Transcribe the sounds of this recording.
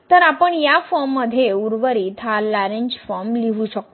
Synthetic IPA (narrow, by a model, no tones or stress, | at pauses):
t̪əɾapəɳjafɔɾmːəd̪ʱːjeuɾʋəɾiːt̪ʰalaɾeɲd͡ʑfɔɾmliʋuɕək̚t̪o